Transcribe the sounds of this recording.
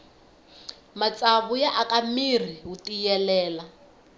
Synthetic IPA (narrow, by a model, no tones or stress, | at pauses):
mat͡sʼaβujaʔakʼamir̤iɦutijɛlɛːla